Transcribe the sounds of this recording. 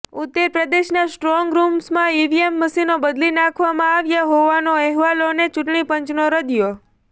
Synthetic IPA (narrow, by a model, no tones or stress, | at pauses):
ut̪ːəɾpɾəd̪eʃnasʈɾɔŋɡɾumsmãiʋiemːəsinobəd̪linãkʰʋamãaʋjaɦoʋanoɛɦʋalonet͡ʃʊʈɳipəɲt͡ʃnoɾəd̪jo